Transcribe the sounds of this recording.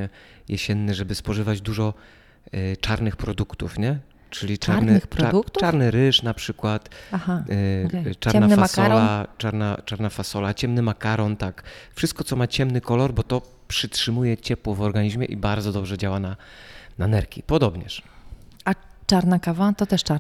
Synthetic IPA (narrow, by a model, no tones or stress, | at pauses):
ɛjʔɛɕɛnːɛʐɛbɘspɔʐɘvad͡ʑd̪uʐɔ | t͡ʂaɾnɘxpɾɔd̪ukt̪ufɲɛ | t͡ʂɘlʲiaɾnɾaɾkt̪ʈ͡ʂaɾnɘɾɘʂnapʂɘkwat̪aha | t͡ʂaɾnnanfaasɔllat͡ʂaɾnat͡ʂaɾnafasɔlat͡ɕɛmnɘmakaɾɔnt̪akfʂɘst̪kɔt̪sɔmat͡ɕɛmnɘkɔlɔɾbɔt̪ɔ | pʂɘtʂɘmujɛt͡ɕɛpwɔvɔɾɡaɲiʑmʲjɛ̰ʔḭbaɾdzɔd̪ɔbʐɛd͡ʑawana | nanɛɾkʲḭpɔd̪ɔbɲɛ̰ʂ | at͡ʂaɾnakavat̪ɔt̪ɛʂt͡ʂa